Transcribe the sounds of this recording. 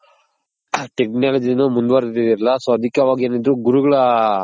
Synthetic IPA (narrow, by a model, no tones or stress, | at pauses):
ʈeknaːlɐd͡ʒinumund̪ʋɐɾid̪idiɾɐlːɐsoɐd̪ʱikːɐʋaːɡieːnid̪ɾuɡuɾuɡɐɭɐ